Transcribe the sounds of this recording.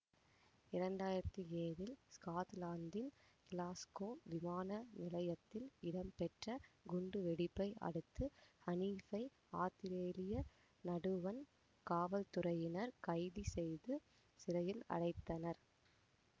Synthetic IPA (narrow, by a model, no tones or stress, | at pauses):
ɪɾɐɳɖaːjɪɾɐt̪ːɯeːʋɪlskaːt̪laːnd̪ɪnkɪlaːskoːʋɪmaːnɐnɪlɐjɐt̪ːɪlɪɽɐmpɛʈrɐɡʊɳɖɯʋɛɽɪpːɐɪɐ̰ɽɯt̪ːɯhɐniːfɐɪ | aːt̪ɪɾeːlɪjɐ | nɐɽɯʋɐn | kaːʋɐlt̪ʊrɐjɪnɐɾkɐɪðisɛjðɯ | sɪɾɐjɪlɐ̰ɽɐɪt̪ːɐnɐɾ